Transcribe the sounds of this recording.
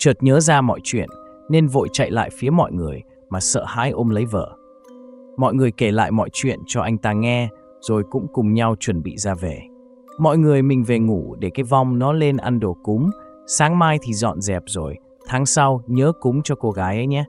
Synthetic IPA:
t͡ɕəː˨˩t̚ɲəː˨˦zaː˧mɔ̰˧˨jt͡ɕwḭ˧˨ənːe˧nvo̰˧˨jt͡ɕa̰˧˨jla̰ː˧˨jfi˨˦əmɔ̰˧˨jŋɨ˨˩əj | maː˨˩sə̰ː˧˨ha̰ː˧˥jʔo˧mlə˨˦jvəː˧˩ | mɔ̰˧˨jŋɨ˨˩əjke˧˩la̰ː˧˨jmɔ̰˧˨jt͡ɕwḭ˧˨ənt͡ɕɔ˧ʔa˧jŋ̟t̪aː˧ŋɛ˧ | z̥o˨˩jkʊ̰˧˥ŋ͡mkʊ˨˩ŋ͡mɲa˧wt͡ɕwə˨˩nɓḭ˧˨zaː˧ve˨˩ | mɔ̰˧˨jŋɨ˨˩əjmï˨˩ŋ̟ve˨˩ŋu˧˩ɗe˧˩kaː˨˦jva˧wŋ͡mnɔ˨˦le˧nʔa˧nɗo˧˩kʊ˨˦ŋ͡m | saː˨˦ŋmaː˧jt̪ʰi˨˩zɔ̰˧˨nzɛ˨˩p̚zo˨˩j | t̪ʰaː˨˦ŋsa˧wɲəː˨˦kʊ˨˦ŋ͡mt͡ɕɔ˧ko˧ɣaː˨˦jʔə˨˦jɲɛ˨˦

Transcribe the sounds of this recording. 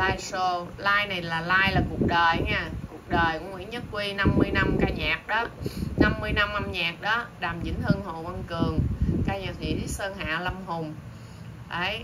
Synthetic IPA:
laː˧jso˧laː˧jna˨˩jlaː˨˩laː˧jlaː˨˩ku˨˩ək̚ɗəː˨˩jŋaː˧˩ku˨˩ək̚ɗəː˨˩jkʊ˧˥˦ŋwḭ˧˥ənɲə˦˥t̚kwi˧na˧mːɨ˧əjna˧mkaː˧ɲaː˨˩k̚ɗɔː˨˦na˧mːɨ˧əjna˧mʔa˧mɲaː˨˩t̚ɗɔː˨˦ɗaː˨˩mt͡ɕḭ˨˦ŋtə˧ŋho̰˧˨wə˧nkɨ˨˩əŋkaː˧ɲaː˨˩t̚ḭ˧˨ɗi˨˦səː˧ŋɦa̰ː˧˨la˧mɦʊ˨˩ŋ͡m | ʔəː˨˩˦j

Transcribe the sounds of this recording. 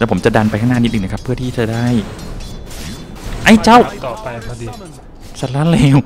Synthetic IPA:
lɛː˧˩pʰo˩˦mt͡ɕa˨˩da˧npa˧jt̪ʰa˥˩naː˥˨i˦t̪̚ʔːna˦˧kʰpʰːɯ˥˩ɐt̪ʰiː˥˩t͡ɕa˧˩daː˥˩j | ʔa˥˩jt͡ɕa˦˥˩w | sa˨˩laː˦˥˩lɛː˧˥˩w

